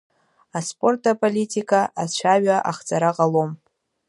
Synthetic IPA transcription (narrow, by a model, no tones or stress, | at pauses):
aspʼo̞rtʰʼapʼolʲitʰʼikʼaʔat͡ʃʷʰaɥaʔaχt͡sʼaɾaqʼalom